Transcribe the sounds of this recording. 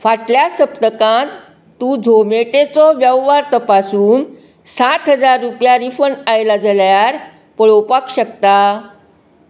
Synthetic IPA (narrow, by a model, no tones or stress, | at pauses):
faʈljasəpt̪əkãnt̪ | t̪ːuːd͡zʱomeʈet͡sɔʋjəʋʋaɾt̪əpasuːn | sat̪ɦəd͡zaɾːupjaɾifənajlad͡zəljaɾ | pəɭowpakɕəkt̪a